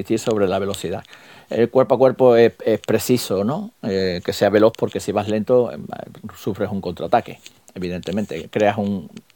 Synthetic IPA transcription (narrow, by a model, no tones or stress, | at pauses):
it̪iɾso̞β̞ɾe̞laβe̞lo̞θiða̰ | ḛlkwe̞ɾpakwe̞ɾpoeehpɾe̞θisonõeke̞se̞aβe̞lo̞hpo̞ɾke̞siβaɦle̞nt̪o | sufɾe̞suŋko̞nt̪ɾat̪ake̞ | eβiðe̞nt̪e̞mẽnt̪e̞̰kɾeasuŋ